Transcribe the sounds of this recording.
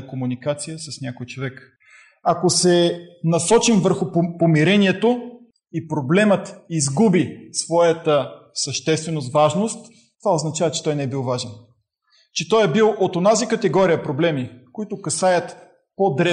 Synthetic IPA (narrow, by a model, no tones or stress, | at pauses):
komunikat̪sijəsəsnʲakojt͡ʃovɛk | ɐkosɛnɐsɔt͡ʃimvəɾxʊppomiɾɛniɛt̪o | ipɾoblɛmət̪izɡubisvɔjət̪əsəʃt̪ɛst̪vɛnost̪vaʒnost̪ | t̪ovaoznɐt͡ʃavət͡ʃɛ̥t̪ɔjnɛbilˠvaʒɛn | t͡ʃɛt̪ɔjɛbilˠʔot̪onazikət̪ɛɡɔɾijəpɾoblɛmikoit̪ʊkɐsajət̪ | pod̪ɾɛ